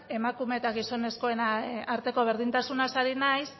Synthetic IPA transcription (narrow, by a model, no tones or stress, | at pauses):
e̞makume̞t̪aɣiso̞ne̞sko̞e̞naaɾt̪e̞ko̞β̞e̞ɾðint̪asunasaɾinajs